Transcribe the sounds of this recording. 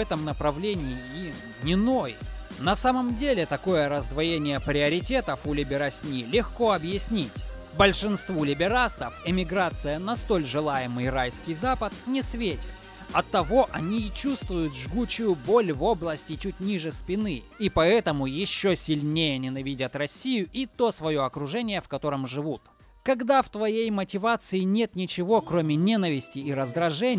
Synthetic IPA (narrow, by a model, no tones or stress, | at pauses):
ɛt̪əmnəpɾɐvlʲenʲɪɪim | nʲɪnoj | nɐsaməmdʲelʲɪt̪ɐko̞jəɾəzd̪vɐjenʲɪjəpɾʲɪəɾʲɪtʲe̞t̪əfʊlʲɪbʲɪɾasʲnʲilʲɪxko̞ɐbjɪsʲnʲitʲ | bəlʲʂɨnst̪vulʲɪbʲɪɾast̪əfɪmʲɪɡɾat̪sɨjənɐst̪o̞lʲʐɨlˠajɪmɨjrajskʲɪjzapət̪nʲɪsvʲetʲɪ̥t̪ | ɐt̪ːɐvo̞ʔɐnʲit͡ɕust̪vʊjʊt̪ʐɡut͡ɕʊjʊbo̞lʲvo̞blˠəsʲtʲɪt͡ɕutʲnʲiʐɨspʲɪnɨipɐɛt̪əmʊjɪɕːosʲɪlʲnʲejənʲɪnɐvʲidʲət̪rɐsʲijʊʔit̪o̞svɐjo̞ɐkɾʊʐɛnʲɪjəfkɐt̪o̞ɾəmʐɨvut̪ | kɐɡd̪aft̪vɐjejmətʲɪvat̪sɨɪnʲe̞t̪nʲɪt͡ɕɪvo̞kɾomʲɪnʲe̞nəvʲɪsʲtʲɪːɾəzd̪ɾɐʐɛnʲ